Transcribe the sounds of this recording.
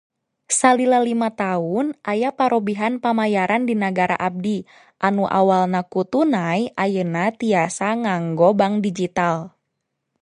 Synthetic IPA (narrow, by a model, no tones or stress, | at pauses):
salilalimat̪aunʔajapaɾobiɦanpamajaɾandinaɡaɾa̰ʔab̚di | ʔanuʔa̰walnakut̪unajʔajənat̪iasaŋaŋɡɔbaŋdid͡ʒit̪al